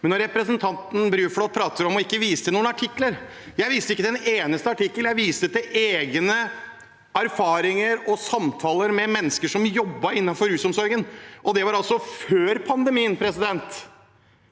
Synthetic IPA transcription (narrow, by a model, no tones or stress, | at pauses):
mɛnːɔɾɾɛpɾəsənt̪ʰɑnt̪n̩bɾyːfɽɔt̪̚pʰɾɑːt̪əɾɔmɔɪkːəʋiːsəd̪ənuːnɑʈʰɪkːləɾ | jæɪʋiːst̪əɪkːəd̪ɛneːnəst̪əɑʈɪkːəljæɪʋiːst̪ət̪ɪʔeːɡnə | æɾfɑːɾɪŋəɾɔsɑmt̪ʰɑːləɾmɛmɛnːəskəʂɔmjɔbːɑɾɪnːɑnfɔɾʉːsɔmsɔɾɡənʔɔd̪ɛʋɑɾɑlsɔføːɾpʰɑnd̪əmiːənpʰɾɛsɪd̪ɛnt̪